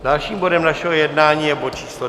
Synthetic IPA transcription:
dalʃiːmbodɛmnaʃɛɦojɛdnaːɲiːjɛbott͡ʃiːslo

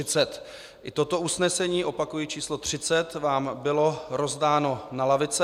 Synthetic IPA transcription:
ɪt͡sɛt̪ | ʔɪt̪o̞t̪o̞usnɛsɛɲiːʔo̞pakujit͡ʃiːslo̞t̪r̝̥ɪt͡sɛt̪vaːmbɪlo̞ɾo̞zdaːno̞nalavɪt͡sɛ

